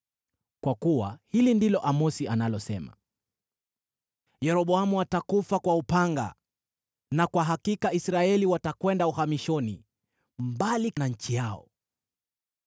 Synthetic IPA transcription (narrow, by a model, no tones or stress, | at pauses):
kwakuwa̰hilindilɔʔamɔsianalɔsɛma̰ | jɛɾɔɓɔamuatakufakwaupaŋɡa̰ | nakwaɦakikaisɾaɛliwatakwɛndauhamiʃɔni | mbalinaɲ̩t͡ʃijaɔ̰